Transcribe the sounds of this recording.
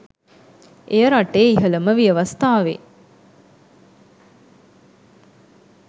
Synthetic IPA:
ʔejəɾaʈeːiɦələməʋijəʋɐst̪aːʋḛ

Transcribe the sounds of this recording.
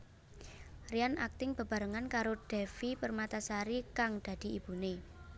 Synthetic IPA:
riana̰k̚t̪ɪŋb̥a̤b̥a̤ɾəŋankaɾoɖ̥ɛfipərmat̪asaɾikaŋd̪̥ä̤d̪̥i̤ib̥ṳne

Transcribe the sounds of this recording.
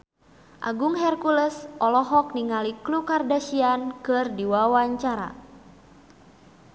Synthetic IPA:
ʔa̰ɡuŋɦɛrkuləsʔɔlɔɦɔk̚niŋaliklukardasiankɨrdiwawaɲt͡ʃaɾa̰

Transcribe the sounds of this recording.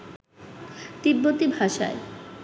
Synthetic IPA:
t̪ibːot̪ibʱaʃa̰e

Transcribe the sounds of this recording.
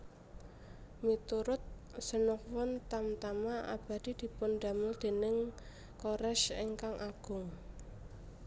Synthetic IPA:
mit̪uɾʊt̪̚sənʊk̚wɔnt̪amt̪amaʔa̰b̥a̤d̪̥i̤d̪̥i̤pʊnd̪̥a̤mʊld̪̥e̤nɪŋ | koɾɛʃeŋkaŋʔaɡ̥ʊ̤ŋ

